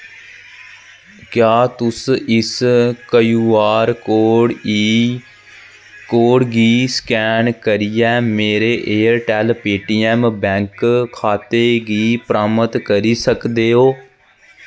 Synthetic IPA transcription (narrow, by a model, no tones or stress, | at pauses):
kjaːt̪ʊsɪskəjuːaːɾkoːɽ | koːɽɡiːskɛːnkəɾɪjɛːmeːɾeːʔeːəɾʈɛːlpeːʈiːɛːmbɛ̃ːŋkkʰaːt̪eːɡiːpɾaːmət̪kəɾiːsəkd̪eːɦoː